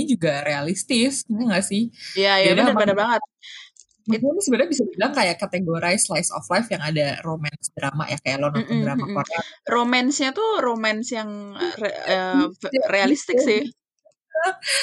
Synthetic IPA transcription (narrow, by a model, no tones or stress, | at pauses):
id͡ʒuɡaɾealist̪ɪsŋaŋɡaʔsɪhjajadaadabadabaŋət̪̚ | mit̪amasəbəɾabisabilaŋkajaʔkat̪eɡoɾajslajsɔ̰flajfjaŋadaromɛnsdɾama̰ʔjakajaʔlɔnɔdɾamakɔraromɛnsɲat̪uɾomɛnsjaŋ̰ | ərealist̪ɪkssɪh | ə